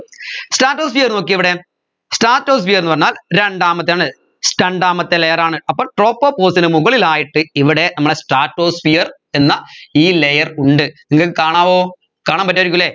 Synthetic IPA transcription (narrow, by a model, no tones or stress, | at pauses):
sʈaːrʈːoːsfijɐrno̞ːk̬ːiiʋiɽe̞ | sʈaːrʈːoːsfijɐɾrenːɨpɐrɐɲːaːlɾeɳɖaːmɐt̪ːejaːɳɨ | sʈɐɳɖaːmɐt̪ːelejɐɾaːɳɨɐpːoːɭʈro̞ːpːopːoːsinɨmuɣɐɭilaːjiʈːɨiʋiɽe̞nɐmːɐɭesʈaːʈːo̞ːsfijɐr | enːɐiːlejɐruɳɖɨniŋːɐkːɨkaːɳaːʋo̞ː | kaːɳaːmpɐt̬ːaːɐɾik̬ʲːulːeː